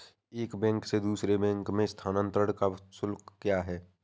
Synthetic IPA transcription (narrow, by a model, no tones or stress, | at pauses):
eːkbɛ̃ːŋksed̪uːsɾebɛ̃ːŋkmẽst̪ʰaːnə̃nt̪ɾəɽkasʊlkkjaːɦɛː